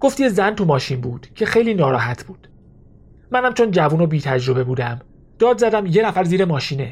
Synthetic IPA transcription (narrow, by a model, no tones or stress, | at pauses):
ɡo̞ft̪iezænt̪ʰumɒːʃinbuːd̪̥cʰe̞xe̞jliːnɒːɾɒ̰ːɦæt̪ʰb̥uːd̪̥ | mænhæmt͡ʃʰo̞nd͡ʒævuːnobiːt̪ʰæd͡ʒɾo̞be̞buːd̪æm | d̪̥ɒːd̪zæd̪æmje̞næfæɾziːɾemɒːʃiːne